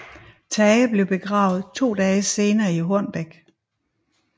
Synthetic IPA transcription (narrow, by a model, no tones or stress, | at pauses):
t͡sʰɛːəb̥le̝ʊb̥e̝ɡ̥ʁɑ̰̈ːʊð̞̩ˠt͡sʰo̝̰ːd̥ɛːse̝ːnɐːiɦoɐnb̥eɡ̥